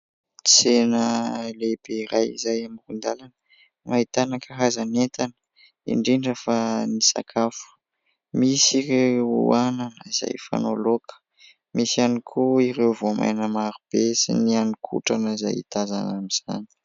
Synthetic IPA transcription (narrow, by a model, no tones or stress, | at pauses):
t͡senəleb̥eiɾajḭzajamirund̪alanə | mait̪anakəɦazanet̪anə | ḭɳɖ͡ʐiɳɖ͡ʐəfanisa̰kʰafu̥ | misiɾeewuananəiz̥a̰jfa̰nolokə̥ | misanikʰuiɾewvoma̰jnəmaɾub̥esḭnianikʰṵʈ͡ʂanəiza̰jḭt̪aza̰namiz̥a̰ni̥